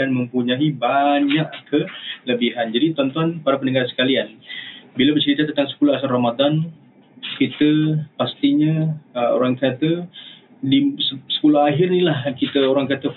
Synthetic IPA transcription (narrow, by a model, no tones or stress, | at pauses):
anməmpuɲaibaɲaʔkʰələbiɦand͡ʒadit̪ɔnt̪uanpaɾapənəŋɡarsə̥kalianbilabərt͡ʃəɾit̪at̪ənt̪aŋsə̥puluɦasaramad̪an | kit̪əpast̪iɲao̰ɾaŋkat̪ə | diəsə̥puluaɦɪrnilahkit̪əoɾaŋkat̪ə